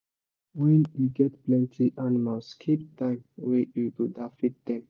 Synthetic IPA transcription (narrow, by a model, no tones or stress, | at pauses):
wɛ̃njuɡɛtplɛ̃ntʰiʔanimalskʰip̚tãɪ̃mwejukudafit̚d̪ɛ̃m